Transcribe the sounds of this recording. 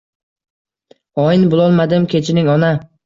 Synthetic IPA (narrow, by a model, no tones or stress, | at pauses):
ɒjɪnbʊlˠɒlˠmad̪ɪmkʲʰe̞t͡ʃʰɪnɪŋɒna